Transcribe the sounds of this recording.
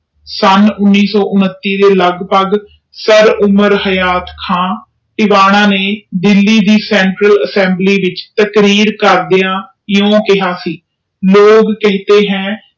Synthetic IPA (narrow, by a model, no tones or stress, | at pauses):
sənʊnːiːsɔːʔʊnət̪ːiːd̪eːləɡpəɡ | səɾʊməɾhəjaːt̪kʰãː | ʈɪʋaːɽ̃ãːneːd̪ɪlːiːd̪iːsɛːɳʈɾələsɛ̃ːmbliːʋɪt͡ʃt̪əkɾiːɾkəɾd̪ɪjãː | jõːkɪɦaːsiː | loːɡkɪɦt̪eːɦɛ̃ː